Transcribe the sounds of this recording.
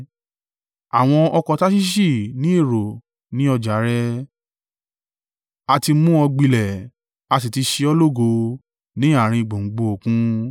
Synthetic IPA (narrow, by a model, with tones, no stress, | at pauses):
a˨w̃ɔ̃˧ɔ˧kɔ˨˧ta˦ʃi˦ʃ̬i˦˨nĩ˦e˦˨ɾo˨ | nĩ˨˦ɔ˧d͡ʒa˨˦ɾɛ˧ | a˧ti˧mũ˦ɔ˧ɡ͡bi˧lɛ˨ | a˧s̬i˨ti˧ʃi˧ɔ˧lo˦˨ɡo˧ | nĩ˨˦a˦˨ɾ̃ĩ˧˨ɡ͡bo˨ŋ͡m̩˨ɡ͡bo˧o˨kũ˦